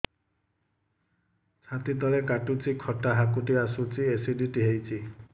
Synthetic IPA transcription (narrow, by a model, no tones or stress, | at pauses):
t͡ʃʰat̪it̪ɔlekaʈut͡ʃikʰɔʈaɦakuʈiasut͡ʃiesiɖiʈiɦejt͡ʃʰi